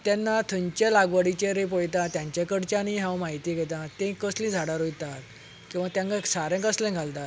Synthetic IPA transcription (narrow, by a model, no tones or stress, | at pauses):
t̪janːat̪ʰəɲt͡ɕjalaɡʋəɽit͡ɕeɾep̬ɔjt̪ãt̪jãɲt͡ɕjakəɽt͡ɕaniɦãwmaɦit̪iɡʱet̪ãt̪ẽkəslĩd͡zʱaɽaɾojt̪at̪ | kĩw̃ʋat̪jãŋkasaɾɛ̃kəslɛ̃ɡʱalt̪a